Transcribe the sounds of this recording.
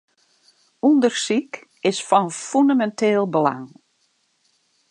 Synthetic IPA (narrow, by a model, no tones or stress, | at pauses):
undərsik | ɪsfɔnfyndamɛntʰeːlˠbəla̰ŋ